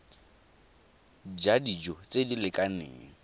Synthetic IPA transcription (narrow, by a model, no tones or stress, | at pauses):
d͡ʒadid͡ʒɔt͡sʼedilɪkʼanḛːŋ̩